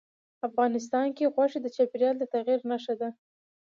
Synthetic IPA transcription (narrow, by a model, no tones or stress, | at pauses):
afɣɑnɪs̬t̪ɑnkeɣwaʂid̪ət͡ʃɑpeɾjɑld̪ət̪aɣiɾnaʂad̪a